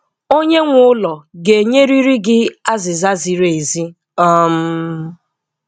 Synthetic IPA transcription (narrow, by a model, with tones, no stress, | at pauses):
o˦ɲe˦ŋʷʊ˦ʊ˦lɔ˨ɡe˨ɲe˦ɾi˦ɾi˦ɡɪ˦a˦zɪ˨za˦zi˨ɾe˨e˨zi˦ | ɔ˦m̩˦